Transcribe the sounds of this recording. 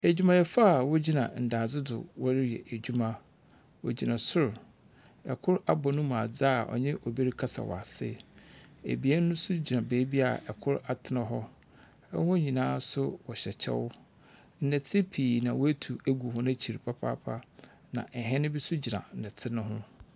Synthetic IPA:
æ˨d͡ʑᶣu˦mã˨jɛ˦fa˦˨wɔ˦d͡ʑi˦nã̰˨n̩˨da˨d͡zɪ˦dʊ̰˨wɔ˦ɾɪ˦jɛ̰˨ʔæ˨d͡ʑu˦mã˦ | wɔ̰˨d͡ʑi˨nã˨sʊ˦ɾ | ɛ˨kʰʊ˦ɾa˦bɔ˨nʊ̃˦mũ˨a˨d͡za˦˨ʔɔ̰˨ɲɪ̃˦ʔɔ˨be˦ɾi˦kʰa˦sa̰˨wɔ̰˨a˨sɪ̰˦ | ḛ˨bi˨˦ɛ˦nʊ̃˦sʊ˦d͡ʑi˨nã˨be˨˦bi˦a̰˨ɛ˨kʰʊ˦ɾa˨tʰɪ˨nã˨ɦɔ˦ | ɛ̰˦hʊ̃˦ɲĩ˨nãː˦sʊ˦wɔ˨ɕɛ˨t͡ɕʰɛ̰˦wʊ˦ | n̩˦nɛ˨tʰɪ˦pʰiː˨nã˨wɔ˦æ˦tʰu˨æ˦ɡu˨hʊ̃˦næ̃˦t͡ɕʰi˨ɾi˨pʰa˦pʰa̰ː˦pʰa˦ | nã̰˨ʔɛ˨ɦɛ̃˦nʊ̃˦bi˦sʊ˦d͡ʑi˨nã̰˨n̩˨nɛ˨tʰɪ˦nʊ̃˦ɦʊ̰̃˦

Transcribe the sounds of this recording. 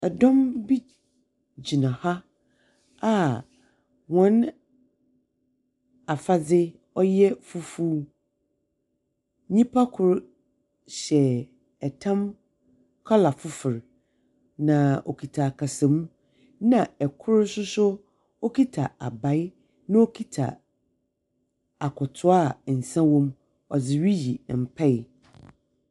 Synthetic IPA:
ɛ˨dɔ̃˦mbi˦ | d͡ʑi˨nã˨ha˦ | a˦ | wɔ̃˨˦n | a˨fa˦d͡zɪ˦ | ɔ˦jɛ˦fu˦fu˦ | ɲĩ˦pʰa˦kʰʊ˨ɾ | ɕɛ˨ | ɛ˨tʰã˦m | kʰɔ˦la˨fʊ˦fɪ˨ɾ | nã˨o̰˨kʰi˨tʰa˨kʰa˨sã˨mũ˦ | nã˨ɛ˨kʰʊ˦ɾsʊ˦sʊ˦ | ɔ˦kʰi˦tʰa˨a˨ba˨˦ɪ˦ | nã˦o˦kʰi˦tʰa̰˨ | a˨kʰɔ˨tʰʊ˦a˦˨n̩˨sã˦wɔ̃˦m | ɔ˨d͡zɪ˨ɥi˦ji˨m̩˨pʰɛ˦ɪ˨

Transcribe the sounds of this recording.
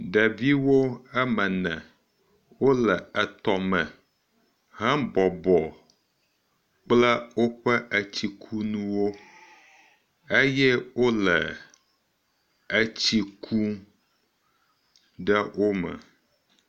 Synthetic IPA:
ɖə˨vi˦wo˦ɛ˦mə̃˨nɛ̰̃˨ | wo˦lə˨ə˨t̪ɔ˨mə̃˨ | ɦɛ̃˦bɔ˨bɔ˨ | k͡plə˦wo˦ɸə˦ʔə˨t͡ɕi˨kʰu˦nũ˦wo˦ | e˦jɛ˦wo˦lɛ˨ | ə˨t͡ɕi˦kʰu˦ | ɖə˦wʔo˦mə̰˨

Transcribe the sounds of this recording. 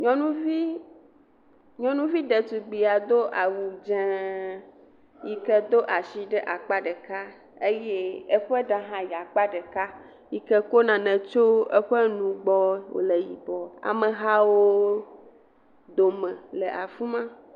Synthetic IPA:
ɲɔ̃˨nũ˦vi˦ | ɲɔ̃˨nũ˦vi˦ɖɛ˨t̪u˨ɡ͡bi˨a˨d̪o˦ʔa˨wu˨d͡ʒɛ̃˦ | ji˨kɛ˦d̪o˦ʔa˨si˨ɖɛ˦ʔa˨k͡pa˦ɖe˨ka˦ | e˦jɛ˦ɛ˦ɸɛ˦ɖa˦ɦã˦ji˨a˨k͡pa˦ɖe˨ka˦ | ji˨kɛ˦ko˦nã˨nɛ̃˨t͡ʃo˦ɛ˦ɸɛ˦nũ˨ɡ͡bɔ˦wo̰˨le˨jḭ˨bɔ˨a̰˨mɛ̃˨ɦa˦wo˦ | d̪o˨mɛ̃˨le˨ʔa˨fũ˦mã˦

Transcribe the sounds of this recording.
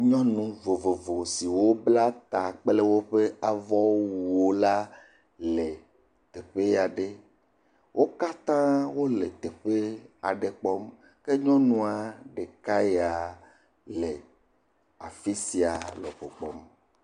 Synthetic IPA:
ɲɔ̃˦nũ˦vo˨vo˨vo˨si˨wo˦bla˦t̪a˨k͡ple˦wo˦ɸe˦a˨vɔ˦wuu˨o˦la˦ | le˨ | t̪e˨ɸe˦ja˨ɖe˦ | wʔo˦ka˦t̪ã˦wo˦le˨t̪e˨ɸe˦a̰˨ɖe˨k͡pɔ˦m | ke˦ɲɔ̃˦nũ˦a˨ɖe˨ka˦ja˨ | le˨ | a˨fi˦si˨a˨lɔ˨ɸo˨k͡pɔ˦m

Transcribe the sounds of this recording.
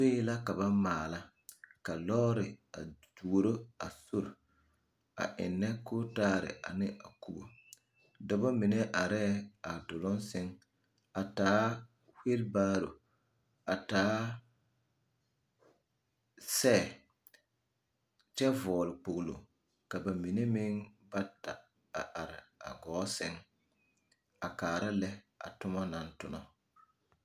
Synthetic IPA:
so˦la˦ka˨ba˦maː˨la˦ | ka˨lɔː˦ɾɪ˨a̰˨du˨ɾo˦a̰˨so˦ɾ | a̰˨ʔɪ̰˨nːɛ˦ko˦taː˦ɾɪ̰˨ʔa̰˨nɪ˦a˨ku˦bo̰˨ | da˨bo˦mɪ˨nɛ˦ʔa˨ɾɛ˦a˨dʊ˨lɔ˦nsɪ˦ŋ | a˨taː˨˦ | he˦lbaː˦ɾo˨ | a˨taː˦ | sɛː˦˨ | t͡ʃɛ˦vɔː˨lɪ˨k͡po˨ɣlo̰˨ | ka˨ba˨mi˨ne˦mɪ˦ŋba˦ta˨ | a˨ʔa˨ɾɪ˨a̰˨ɡɔ˨˦sɪ˦ŋ | a˨kaː˨ɾa˦lɛ˦ | a̰˨tʊ˦mɔ˦na˨ntʊ˦nɔ˨

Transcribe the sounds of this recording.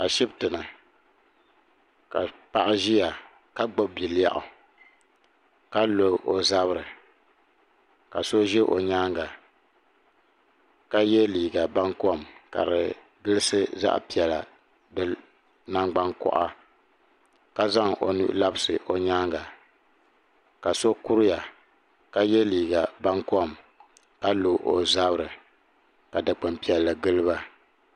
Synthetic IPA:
ka˨ʃɪ˦btɨ˨nɨ˨ | ka̰˨pa˦ʔa˦ʒi˦ja˨ | ka˦ɡ͡bo˦b̚bi˨lja̰˦ʔʊ̰˨ | ka˦lo˨ʔo˨za˦βɨ˦ɾɨ˨ | ka˨so˦ʒɛ˦ʔo̰˨ɲaː˦ŋɡa˨ | ka˦jɛ˦liː˨ɡa˨ba˦ŋkɔ˦˨mka̰˨ɾɨ̰˨ | ɡɨ˦lɨ˦sɨ˦za̰˦ʔpi˨ɛ˨la̰˨ | dɨ˨ | na˦ŋɡ͡ba˦ŋkɔ̰˨ʔa̰˦ | ka˦za˦ŋʔo̰˨nṵ˦ʔla˦bɨ˦sɨ˨ʔo˨ɲaː˦ŋɡa˨ | ka˨so˦ku˦ɾɪ˦ja˨ | ka˦jɛ˦liː˨ɡa˨ba˦ŋkɔ˦˨m | ka˦lu˨ʔo˨za˦bɾɨ˨ | ka˨dɨ˨k͡pɨ˨mpi˨ɛ˨lːɨ˨ɡɨ˦lɨ˦ba˦

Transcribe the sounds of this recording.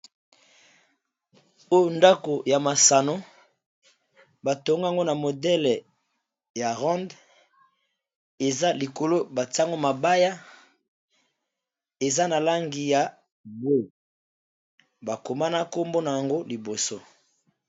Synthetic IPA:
o˦jo˨nda˦ko˨ja˨ma˨sa˨no˦ | ba˨to˨ŋɡa˨ŋɡo˦na˨mo˨dɛ˦l | ja˨ʁɔ̃˦nd | e˨za˦li˨ko˨lo˦ba˨ta˦ŋɡo˦ma˨ba˦ja˦ | e˨za˦na˨la˦ŋɡi˨ja˨ | bo˦ | ba˨ko˨ma˦na˦ko˦mbo˦na˨ja˨ŋɡo˦li˨bo˨so˦

